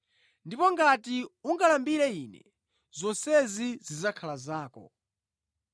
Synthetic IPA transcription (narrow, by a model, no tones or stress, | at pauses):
ndipɔŋɡatiuŋɡalambiɾɛiːnɛ̰ | z̥ɔnsɛzizizakʰalazaːkɔ̰